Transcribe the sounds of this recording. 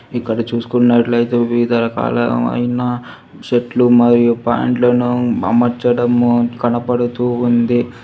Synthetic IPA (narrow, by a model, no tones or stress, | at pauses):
ikːɐɽɐt͡ʃuːsu̥kunːɐʈlɐjt̪eːʋiːd̪ɐɾɐka̰ːlɐ̰ɐ̰jinɐ | ʃeʈlumɐɾijupa̰ːɳʈlɐnuɐ̰mɐɾt͡ʃɐɽɐmkɐnɐpɐɽut̪uːnd̪i